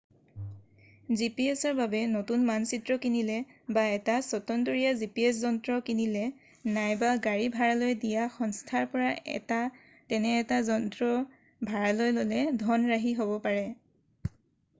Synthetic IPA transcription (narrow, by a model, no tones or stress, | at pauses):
zipiesɔɹbabɛnotunmansitɹɔkinilɛbaɛtasɔtɔntoɹijazipiɛs̬zɔntɹɔkinilɛ | najbaɡaɹibʱaɹalojdijaxɔnstʰaɹpɔɹaɛ̰ta | tɛnɛːtazɔntɹɔ | bʱaɹalojlolɛdʱɔnɹaɦiɦobɔpaɹɛ